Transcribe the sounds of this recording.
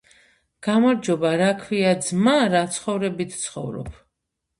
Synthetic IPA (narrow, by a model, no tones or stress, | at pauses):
ɡ̥amɔɾd͡ʒɔbaɾakʰviad̪zmaɾat̪sʰχɔvɾɛbit̪ʰt̪sʰχɔvɾɔ̰pʰ